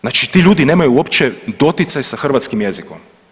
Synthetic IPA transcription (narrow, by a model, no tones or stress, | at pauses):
znaːt͡ʃit̪iːʎʲuːd̪ine̞ːmajuopt͡ʃɛd̪o̞t̪jɪt̪sajsaxr̩ʋat̪skimjezikom